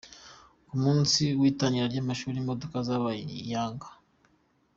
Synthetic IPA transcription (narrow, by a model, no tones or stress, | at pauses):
kumuːnsiwiːtaɲiɾaɾɟamaʃuːɾimo̞do̞kazaβajaːŋɡḁ